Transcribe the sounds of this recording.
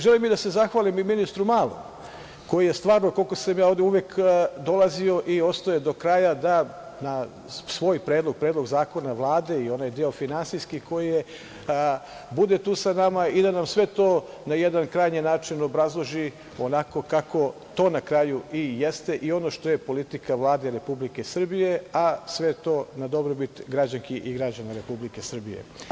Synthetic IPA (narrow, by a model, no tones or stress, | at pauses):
ʒe̞limid̪ase̞zaxʋaːlimiminist̪ɾumaːlˠo̰m | ko̞jijest̪ʋaːɾnoko̞lko̞samjaːo̞d̪euʋjekd̪o̞lˠazio̞ʔio̞st̪ojed̪o̞kɾajad̪a | na | sʋo̞ːjpɾeːd̪lo̞ɡ̚pɾeːd̪lˠo̞ɡzaːko̞naʋlˠaːd̪e̞io̞naːjd̪eofinansiskiko̞jije | bud̪e̞t̪uːsanamaid̪anamsʋe̞t̪o̞ː | najed̪ankɾajɲinaːt͡ʃino̞bɾazlˠoʒi | onako̞kako̞ | t̪o̞ːnakɾaːjuijest̪e̞ʔio̞no̞ʃt̪o̞jepo̞lit̪ikaʋlˠaːd̪eɾe̞publike̞sr̩bije̞asʋet̪o̞ːnad̪o̞bɾobit̪ɡɾad͡ʑaŋkiʔiɡɾad͡ʑanaɾe̞publike̞sr̩bije̞̰